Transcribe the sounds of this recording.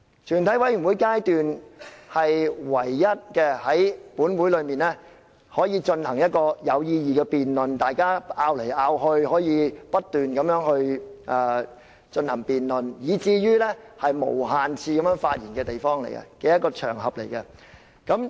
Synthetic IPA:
t͡ʃʰyː˨˩nt̪ʰɐ˨˥jwɐ˨˥jɥy˨˩nwuː˨˥jkaː˥jt̪yː˨nhɐ˨jwɐ˨˩jːɐ˥t̚kɛː˧hɐ˨˥jpuː˨˥nwuː˨˥jlɵ˨˧ɥmiː˨nlɛ˥ | hɔː˨˥jiː˨˧t͡ʃɵ˧nhɐ˨˩ŋjɐ˥t̚kɔː˧jɐ˨˧wjiː˧jiː˨˩kɛː˧piː˨nlɵ˨nt̪aː˨jkaː˥ʔaː˧wle˨˩jʔaː˧wɦɵ˧ɥhɔː˨˥jiː˨˧pɐ˥t̚t̪yː˨nkɐ˨˧mjœː˨˥ŋhɵ˧ɥʔɛː˨˩ | t͡ʃɵ˧nhɐ˨˩ŋpiː˨nlɵ˨njiː˨˧t͡siː˧jyː˥lɛ˥ | hɐ˨jmo̰˨˩whaː˨nt͡sʰiː˧kɐ˨˥mjœː˨˥ŋfaː˧t̚jiː˨˩nkɛː˧t̪e˨jfɔː˥ŋle˨˩jkɛ̰˧kɛː˧jɐ˥t̚kɔː˧t͡ʃʰœ̰ː˨˩ŋɦɐ˨p̚le˨˩jkɛ˧ | kɐ˨˥m

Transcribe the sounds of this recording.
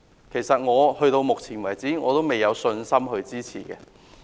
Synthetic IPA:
kʰe˨˩jsɐ˨t̚ŋɔː˨˧hɵ˧ɥt̪o˧wmʊ˨k̚t͡sʰiː˨˩nwɐ˨˩jt͡siː˨˥ŋɔ̰ː˨˧t̪o˥wme˨˩jːɐ˨˧wsɵ˧nsɐ˥mɦɵ˧ɥt͡siː˥t͡sʰḭː˨˩kɛ̰ː˧

